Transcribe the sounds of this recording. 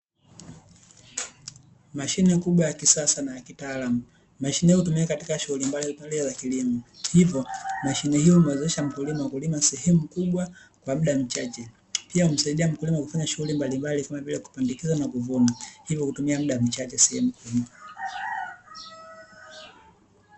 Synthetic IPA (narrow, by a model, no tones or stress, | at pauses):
maʃinɛkuɓwajakisasanajakitaːlamu | maʃinɛjhutumiakati̥kaʃuhulimballiɔzakilimɔhivjɔmaʃinɛhijɔimɛwɛzɛʃam̩kulimawakulimasɛhɛmukuɓwa | kwam̩ɗam̩t͡ʃat͡ʃɛ | piaum̩saiɗiam̩kulimakufaɲaʃuhulimbalimbalikamavilaku̥pandikizanakuvunahivjɔkutumiam̩ɗam̩t͡ʃat͡ʃɛsɛhɛmukuika